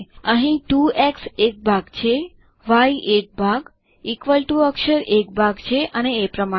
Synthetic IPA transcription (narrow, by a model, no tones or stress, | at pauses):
əɦĩʈueksek̚bʱaɡt͡ʃʰe | ʋaiʔek̚bʱaɡ | ikʋəlʈuəkʃəɾek̚bʱaɡt͡ʃʰeʔəneːpɾəma